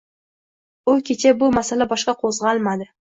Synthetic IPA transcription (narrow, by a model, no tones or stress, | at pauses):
olˠkʲʰet͡ʃebʊmæselʲebɑʃqɑqʰozʁɑlˠmɑd̪ɪ